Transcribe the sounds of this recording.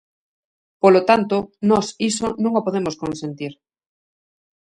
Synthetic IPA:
polot̪ant̪onɔsisonũŋopoðemoskonsent̪iɾ

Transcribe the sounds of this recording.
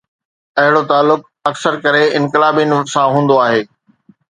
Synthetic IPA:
ɐɦɪɽot̪aːlːʊk̚ | ɐksəɾkɐɾeɪ̃nkɪlaːbin̆sãɦũːn̆d̪oaːɦeː

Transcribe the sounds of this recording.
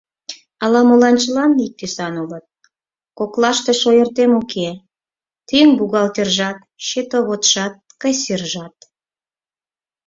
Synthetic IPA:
ɑlɑmolɑnt͡ɕəlɑnik̚t̪esɑnulət̪̚ | koklɑʃt̪eʃojərt̪emokʰe | t̪yŋbuɣɑlt̪erʒɑt̪ | ʃet̪oβot̪ʃɑt̪̚kəjserʒɑt̪̚

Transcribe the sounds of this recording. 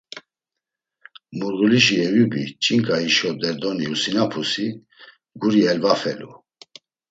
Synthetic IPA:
muɾɣuliʃiɛvubit͡ʃʼiŋkʼaiʃɔd̪ɛɾd̪ɔniusinapʰusi | ɡuɾiɛlvafɛlṵ

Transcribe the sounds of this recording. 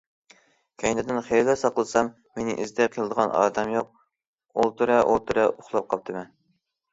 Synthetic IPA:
kʲʰɛjnɪd̪ɪnχeɾd̪ɛsɑqlˠəsɑmːenɪ̰ʔizd̪ɛqʰəlˠɨd̪əʁɑnɑ̰ːd̪ɛmjoq̚ | olˠt̪ʰyɾɛʔolˠt̪ʰyɾɛʊχlˠɑp̚qʰɑp̚t̪ʰɨmɛn

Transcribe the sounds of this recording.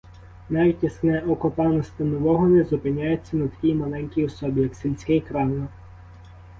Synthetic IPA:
nɑʋʲitʲɐsnɛɔkʊpɑnɔst̪ɪnɔʋɔɦɔnɛzʊpɪnʲajʊt͡sʲːɐnɐt̪ɐ̥kʲijmɐlˠɛnʲkʲijɔsɔbʲɪjɐksʲilʲsʲkɪjkɾɑwnˠɐ

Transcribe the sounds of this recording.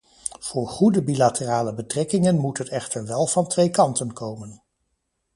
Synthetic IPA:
v̥ʊːɹχudəbilatəraːləbətrɛkɪŋənmutɦətɛχtəɹʋɛlˠv̥ɑntʋejkɑntənkowmən

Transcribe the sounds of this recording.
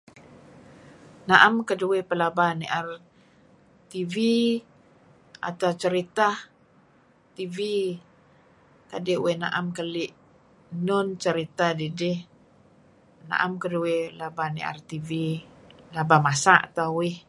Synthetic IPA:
naʔamkəduepəlabaniʔar | t̪ivi | a̰t̪awt͡ʃəɾit̪a | t̪ivi | k̪adɪʔwena̰ʔamkəlɪʔ | nʊnt͡ʃəɾit̪adidɪh | na̰ʔamkəduwelabanḭa̰rt̪ivilabamasaʔa̰t̪awɪh

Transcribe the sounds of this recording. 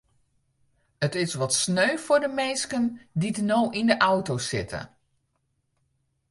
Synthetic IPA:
ətɪsʋɔtsnøɥfʊrdəmɛnskənditənowʔindəʔawtosɪ̰tʰə̰

